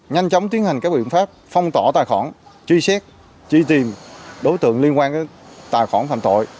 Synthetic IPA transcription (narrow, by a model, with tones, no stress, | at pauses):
ɲa˧jŋ̟t͡ɕɔ˨˦wŋ͡mt̪wi˨˦ənha˨˩ŋ̟kaː˦˥k̚ɓḭ˧ənfaː˦˥p̚fɔ˧wŋ͡mt̪ɔ˧˩t̪aː˨˩jxɔ˧˩nt͡ɕi˧sɛ˦˥k̚ | t͡ɕi˧t̪i˨˩mɗo˨˦jt̪ɨ̰˧˨əŋli˧nkwaː˧nkə˨˦t̪aː˨˩jxɔ˧˩nfa̰ː˧˨mt̪o̰˧˨j